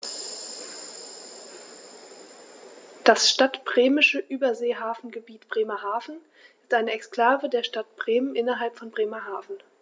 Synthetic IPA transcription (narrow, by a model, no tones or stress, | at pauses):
d̥asʃtatb̥ʁeːmɪʃəʔyːbɐzeːɦaːfn̩ɡəbiːtb̥ʁeːmɐhaːfn̩ | ʔɪstʔaɪnəɛkskl̥aːvədeːɐʃtatb̥ʁeːmənʔɪnɐɦalpfɔnbʁeːmɐɦaːfn̩